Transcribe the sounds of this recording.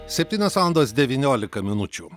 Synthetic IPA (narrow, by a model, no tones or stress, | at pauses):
sʲɛp̚ʲt̪ʲinʲɛsand̪osʲd̪ʲɛʋʲinʲoːlʲɪkɐmʲɪnut͡ʃʲu